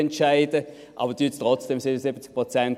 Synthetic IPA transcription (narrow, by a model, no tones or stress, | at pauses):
ɛntʃaɪdə | ʔɑ̰ːbədyːttʁɔt͡sd̥emsɪbənəsɪbət͡sk̚pʁot͡sɛnt